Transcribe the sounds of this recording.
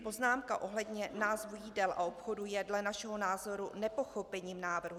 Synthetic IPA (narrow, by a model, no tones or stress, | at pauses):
po̞znaːmkaʔo̞ɦlɛdɲɛnaːzvujiːdɛlʔa̰ʔo̞pxo̞dujɛdlɛnaʃɛɦo̞naːzo̞ɾunɛpo̞xo̞pɛɲiːmnaːvr̩ɦu